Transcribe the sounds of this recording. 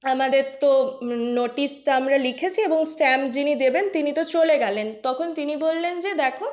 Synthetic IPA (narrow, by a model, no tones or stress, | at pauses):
amad̪eɾt̪onoʈisʈaamɾalikʰet͡ɕʰieboŋsʈɛmd͡ʑinid̪ebent̪init̪ot͡ɕoleɡɛlent̪ɔkʰont̪inibolːend͡ʑed̪ɛkʰo